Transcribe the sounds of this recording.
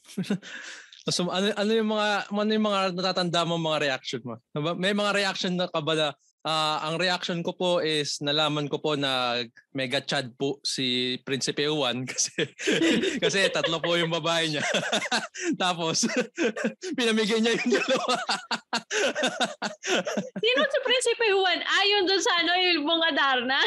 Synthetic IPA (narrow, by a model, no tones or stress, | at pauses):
ɐsoʔɐnoʔɐnojʊŋmɐŋamɐnojʊŋmɐŋanɐt̪aːt̪ɐnd̪amoŋmɐŋaɾɛʔak̚ʃonmoɐbamɛjmɐŋaɾɛʔak̚ʃonːɐkɐbɐla | ʔaːʔɐŋɾɛʔakʃonko̞po̞ʔɪsnɐlaːmɐnko̞po̞nɐmɛɡɐt͡ʃad̪̚posipɾɪnsɪpɛʊwankɐ̥sɛ | kɐsɛt̪ɐt̪lopojʊŋbɐbaːʔɛɲa | t̪aːpo̞s | pɪnɐmɪɡajɲɐjond̪ɐlɐwa | siːnosɐpɾinsɪpɛwanʔaːjond̪ʊnsɐʔɐnojʊŋbʊŋɐd̪aɾnɐ